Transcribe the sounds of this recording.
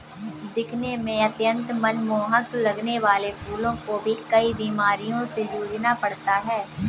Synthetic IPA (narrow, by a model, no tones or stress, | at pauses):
d̪ɪkʰnemẽɐt̪jə̃nt̪mɐnmoːɦəklɐɡneʋaːlepʰuːlõkobʱikɐibiːmaːɾijõsed͡ʒuːd͡ʒnapɐɽt̪aɦɛː